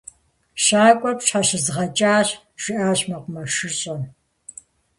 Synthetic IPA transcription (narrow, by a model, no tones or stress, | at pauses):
ʃaːkʷʼɔpɕħaɕɪzʁɐt͡ʃʼaːɕ | ʒ̥ɪʔaːɕmɐqʷʊmɐʂɨɕʼɐn